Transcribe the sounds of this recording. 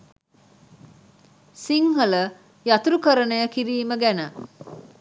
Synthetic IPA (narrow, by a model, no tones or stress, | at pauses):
siŋɦələ | jat̪uɾukəɾənəjəkiɾiːməɡænə